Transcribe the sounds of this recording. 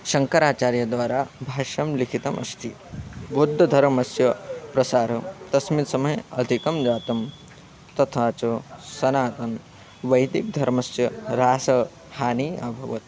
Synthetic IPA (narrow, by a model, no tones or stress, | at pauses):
ʃɐŋkɐɾaːt͡ʃaːɾjɐd̪ʋaːɾaːbʱaːʃɐmlikʰit̪ɐmʔɐ̰st̪ʰi | bod̪ʱːɐd̪ʱɐɾmɐsjɐpɾɐsaːɾɐt̪ɐsmit̪sɐmɐjɐd̪ʱikɐmd͡ʒaːt̪ɐm | t̪ɐt̪ʰaːt͡ʃosɐnaːt̪ɐn | ʋɐjd̪ik̚d̪ʱɐɾmɐsjɐɾaːsɐ | haːniːɐbʱɐʋɐ̰t̪̚